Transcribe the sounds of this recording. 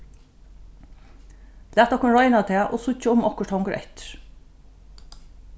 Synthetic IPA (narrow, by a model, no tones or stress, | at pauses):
læːt̪̚ɔhkʊnɹɔʏnat̪ʰeːʔo̰ːsʊçəʊmɔkəʈʰɔŋkəɾʔɛ̰t̪